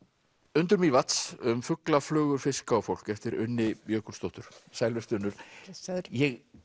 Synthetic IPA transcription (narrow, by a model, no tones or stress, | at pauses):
ʏnt̪ʏɾmivat̪sʏmfʏklaflœːɣʏɾ̥fɪskaːwfowl̥kɛft̪ɪɾʏ̰nːɪjœːkʏɾ̥st̪owht̪ʏɾ̥sajlvɛst̪ʏnːʏɾ̥ | jɛɣ